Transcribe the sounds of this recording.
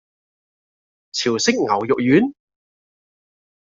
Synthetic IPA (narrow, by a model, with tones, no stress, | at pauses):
t͡sʰiː˨˩wsɪ˥k̚ŋɐ˨˩wjʊ˨k̚jyː˨˥n